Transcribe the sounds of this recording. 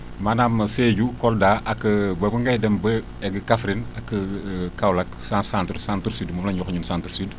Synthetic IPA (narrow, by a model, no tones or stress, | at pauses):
mɐnamɐseːɟukɔldaːʔɐkːbɐbəŋɡɐjdɛmbə | ɛɡkafɾinɐkːəkɐwlɐksansãntɾsantɾsiːdmumlɐɲuxɲumsantɾsyd